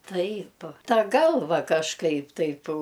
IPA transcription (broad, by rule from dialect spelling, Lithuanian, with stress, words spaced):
ˈtɐɪp ˈtɐ ˈɡɐlˠʋɐ kɐʃˈkɐɪp ˈtɐɪp